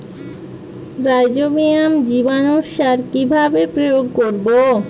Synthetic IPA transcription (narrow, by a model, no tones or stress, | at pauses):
ɾajd͡ʑobijamd͡ʑibanoʃːaɾkibʱabepɾojoɡ̚koɾbo